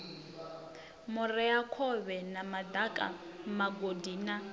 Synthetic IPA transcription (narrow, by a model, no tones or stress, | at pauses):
mʊrɛakʰɔβɛnamad̪akʼa̰ | maɡodiːna